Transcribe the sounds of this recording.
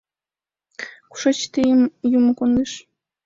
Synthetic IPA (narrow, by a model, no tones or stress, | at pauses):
ku̥ʃɑt͡ɕt̪ejəmjumə̆kond̪eʃ